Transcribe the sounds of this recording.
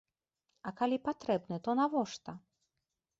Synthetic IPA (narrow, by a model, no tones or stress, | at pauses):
ɐkalʲipat̪ɾɛbnɨt̪ɔnavɔʂt̪ɐ